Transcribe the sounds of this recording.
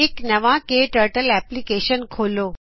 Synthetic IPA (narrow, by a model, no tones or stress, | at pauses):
ɪknɐʋãkeʈəɾʈəlɛːplikeːʃənkʰoːloː